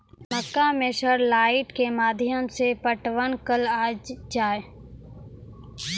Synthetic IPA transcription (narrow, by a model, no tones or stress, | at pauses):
məkːamẽʃəɾlaːɪʈkemaːd̪ʱjəmsepəʈʋənkəlaːd͡ʒd͡ʒaːe